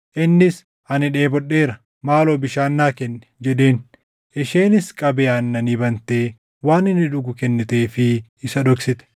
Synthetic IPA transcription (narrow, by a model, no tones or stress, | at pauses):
ʔɪnːɪs | ɐnɪᶑe̞ːbɔɗe̞ːɾɐ | maːloːbɪʃaːnːaːkɛnːɛ̥d͡ʒɛᶑe̞ːn | ʔɪʃeːnɪskʼɐbeːɐnːɐniːbɐnt̪eː | waːnɪnːɪᶑʊɡʊkɛnːɛt̪eːfɪɪsɐᶑɔksɪt̪ɛ̥